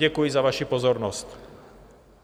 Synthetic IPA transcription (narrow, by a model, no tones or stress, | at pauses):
ɛkujɪzaʋaʃipɔzɔɾnɔsc